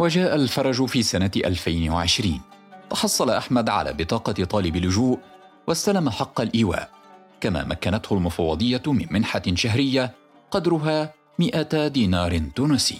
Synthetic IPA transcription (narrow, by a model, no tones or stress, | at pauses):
wad͡ʒaːʔalfɑɾˤɑd͡ʒʊfiːsanaʔa̰lfajnwa̰ʕɪʃɾiːnt̪ɑħɑsˤːɑlaʔaħmad̪ʕa̰la̰ːbɪt̪ˤɑːqɑt̪ˤɑːlɪbɪlːʊd͡ʒuːʔ | wast̪alamaħɑqːɑlʔiːwa̰ːʔ | kama̰ːmʔakːanat̪hʊlmʊfɑwːɑd̪ˤɨjːamɪnmɪnħaʃaɦɾɪjːa | qɑd̪ɾʊɦaː | mɪʔad̪iːnɑːɾˤɪt̪uːnʊsḭː